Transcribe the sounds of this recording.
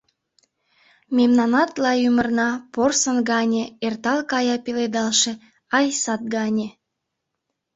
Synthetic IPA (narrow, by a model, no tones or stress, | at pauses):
mʲemnɑnɑt̪lɑjymərnɑporsənɡɑnʲeert̪ɑlkɑjɑpeled̪ɑlʃĕ | ɑjsɑt̪̚ɡɑnʲe